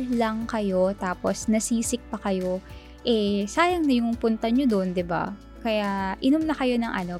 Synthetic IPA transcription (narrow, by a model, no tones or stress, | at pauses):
lɐŋkɐjo̞t̪aːpo̞snɐsiːsɪk̚pɐkɐjo̞ | ʔɛsaːjɐŋnɐjʊŋpʊnt̪ɐɲod̪ond̪ɪba̰ | kɐjaʔɪnʊmnɐkɐjo̞nɐŋʔɐno̞